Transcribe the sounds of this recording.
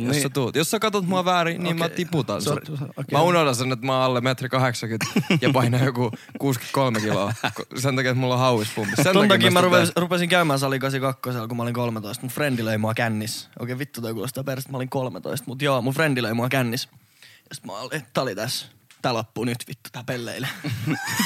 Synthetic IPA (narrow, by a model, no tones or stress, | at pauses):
jjossːet̪uːt̪josːækɑt̪ot̪muɑʋæːriniːmmæt̪iput̪ɑ̰nsmæunod̪ɑnsenːet̪mɑːɑlːemet̪rikɑheksɑkyt̪ːjɑpɑinɑjokukuːsky̥t̪̚kolmekilo̰ːkosent̪ɑkiːet̪mulːohɑuʋispump̪issenont̪ɑkiːmæruperupesiŋkæymæːsɑlikɑsikɑkːoselkumæoliŋkolmet̪oist̪mufrend̪iløimuɑkænːiso̰keʋit̪ːut̪ɑikulo̰st̪ɑperset̪mɑoliŋkolmḛt̪o̰ist̪mut̪joːmufrend̥̪iløimuɑkænːis | jɑsi̥t̪mɑ̰let̪æolit̪æs | t̪æːlopːuːnyt̪ʋit̪ːu̥t̪æːpelːḛile